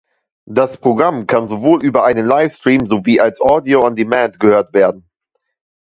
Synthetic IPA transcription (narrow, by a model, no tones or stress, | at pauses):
d̥aspʁ̥oɡʁamkʰanzovoːlʔyːbɐʔaɪnənlaɪfstʁ̥iːmzoviːʔalsʔɔːdioandimɛntɡ̥əhøːɐtv̥eːɐdn̩